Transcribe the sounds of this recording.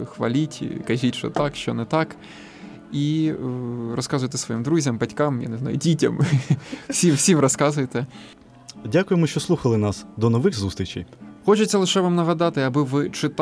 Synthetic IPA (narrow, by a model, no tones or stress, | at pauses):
xʋɐ̰lʲitʲkɐʒʲitʲʃɔ̰t̪ɑkʃt͡ʃɔ̰nɛt̪ɑk | i | rɔskɑzʊjt̪ɛ̥sʋɔjimd̪ɾuzʲɐmbɐtʲkɑmja̰neznɑ̰jʊdʲitʲɐm | fsʲimfsʲimrɔskɑzʊjet̪ɛ | dʲakʊjemʊʃt͡ʃɔslˠuxɐlˠɪnɑsd̪ɔnɔʋɪxzust̪ɾʲit͡ʃɛjxɔt͡ʃet͡sʲːɐlˠɪʃɛʋɑmnɐɦɐd̪ɑt̪ɪɐbɪʋɪt͡ʃɪt̪